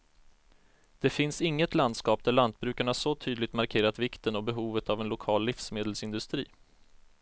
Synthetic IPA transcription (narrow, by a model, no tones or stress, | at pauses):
d̪̥ɛfɪnsɪŋːət̪land̪skɑːp̚d̪æɭant̪̚bɾʉ̟ːkaɳahaʂɔt̪ʰyːd̪lɪɡt̪maɾkʰeːɾat̪vɪkt̪ənɔbɛɦuːvət̪avɛnlʊkʰɑːlːɪfsmeːd̪əlsɪnd̪ɵst̪ɾḭː